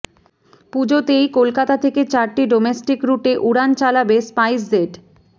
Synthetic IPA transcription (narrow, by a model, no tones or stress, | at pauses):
pud͡ʑot̪ejkolkat̪at̪ʰeket͡ɕaɾʈiɖomesʈikɾuʈeʔuɽant͡ɕalabespajsdeʈ